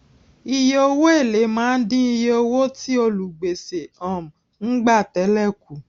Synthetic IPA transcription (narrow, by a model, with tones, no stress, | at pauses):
i˧je˧o˧wo˦e˦˨le˨˦mãː˨˦n̩˦dĩ˦i˧je˧o˧wo˦ti˦o˧lu˨ɡ͡be˨se˨ɔ̃˨m̩˨ | n̩˦ɡ͡ba˦˨tɛ˨˦lɛ˦˨ku˨